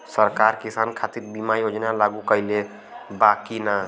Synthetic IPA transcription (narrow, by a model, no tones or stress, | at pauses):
səɾkaɾkisankʰat̪iɾbimajod͡ʒnalaɡukəjle | bakina